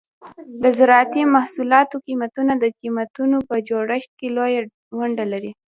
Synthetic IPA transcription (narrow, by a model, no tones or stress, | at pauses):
d̪əzɪɾɑt̪imahsulɑt̪okimat̪unad̪əqimat̪unopəd͡ʒoɽəʃt̪̚keloja | waɳɖalaɾi